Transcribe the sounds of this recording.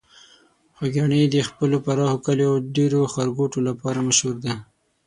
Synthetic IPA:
xaɡɑɳed̪əxpəlopaɾɑhokaleawɖeɾoxaɾɡoʈolapɑɾamaʃhuɾd̪a

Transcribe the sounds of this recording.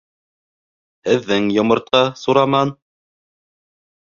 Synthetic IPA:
hɘ̆ðːɘŋjŏmɤ̆ɾt̪̚qɑsuɾɑmɑn

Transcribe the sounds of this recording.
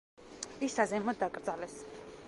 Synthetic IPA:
isazɛmɔd̪akʼɾd̪zʼalɛs

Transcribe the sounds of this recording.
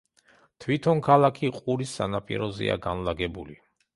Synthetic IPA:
t̪ʰwit̪ʰɔŋkʰalˠakʰiqʼuɾisːanapʼḭɾɔzɛ̰a̰ɡanlaɡɛbuli

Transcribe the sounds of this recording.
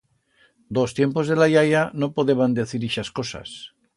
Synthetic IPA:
d̪ost̪jempo̞zðelajajanopoðeβand̪eθiɾiʃaskosa̰s

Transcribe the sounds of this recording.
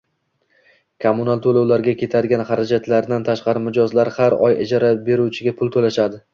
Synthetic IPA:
kʰomʊnalˠt̪ʰolawlaɾɡʲakʲʰe̞t̪ʰad̪ɪɡʲanχaɾad͡ʒat̪laɾd̪ant̪ʰaʃqɑɾɪmɪd͡ʒɒzlaɾhaɾɒ̰jɪ̰d͡ʒɒɾabe̞ɾuwt͡ʃʰɪɡʲapʰʊlˠt̪ʰolaʃad̪ɪ

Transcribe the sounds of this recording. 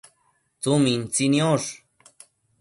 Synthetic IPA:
t͡sumint͡sinjoʂ

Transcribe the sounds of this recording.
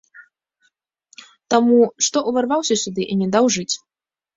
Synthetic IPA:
t̪amuʂt̪ɔʔuvʲarvawsʲɐsʲud̪ɨʔinʲɛd̪awʐɨt͡sʲ

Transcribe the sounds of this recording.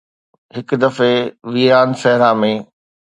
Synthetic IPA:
ɦɪkd̪ɐfeʋiːaːnsɐɦɪɾãmẽ

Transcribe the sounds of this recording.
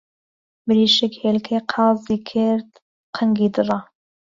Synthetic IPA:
bɨɾiːʃɛkhelkʰeqʰɑːziːkʰɪɾd̪ | qʰəŋɡiːd̪ɨrˤɑ

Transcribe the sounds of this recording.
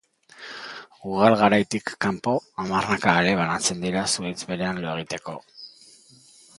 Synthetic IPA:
uɣ̞alɣaɾajt̪ikːampo̞amarnakaːɾe̞β̞anat͡se̞nd̪iɾasuejt͡sbe̞ɾe̞anloe̞ɣ̞it̪e̞ko̞

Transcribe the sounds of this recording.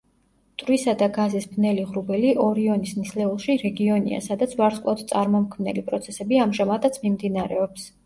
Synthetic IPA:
t̪ʼɾwisad̪aɡazisbnɛliʁɾubɛliʔɔɾiɔnisnislɛulˠʃiɾɛɡiɔnḭa̰sad̪at̪sʰvaɾsʼkʼlˠad̪t̪sʼaɾmɔmkʰmnɛ̰lipʼɾɔt̪sʰɛsɛbiamʒamad̪ʰat̪sʰmimd̪inaɾɛɔps

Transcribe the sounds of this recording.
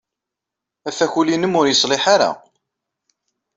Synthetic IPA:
æfæçulinəmʊɾjəsˤlɪħaɾa̰

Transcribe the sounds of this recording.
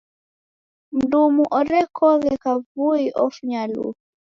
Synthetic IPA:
m̩dumuʔɔɾɛkɔɣɛkavuiʔɔfuɲalṵu

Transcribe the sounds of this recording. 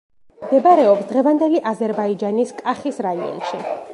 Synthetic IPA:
md̪ɛbaɾɛɔpsd̪ʁɛvand̪ɛliʔazɛɾbaid͡ʒaniskʼaχisɾaiɔ̰nʃi

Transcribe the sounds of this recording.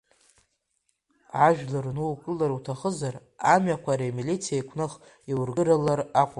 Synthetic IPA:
ʕaʒᶣlarnuwkʼɨlaɾutʰaχəzar | amɥakʷʰaɾamilit͡sʰijaijkʷʰnɨχ | iwrɡɨɾalaraqʷʼa

